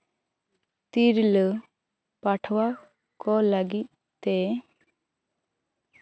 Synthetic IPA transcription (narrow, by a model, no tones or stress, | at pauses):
t̪iɾlə | paʈʰwa | kɔləɡit̪̚ | t̪ɛ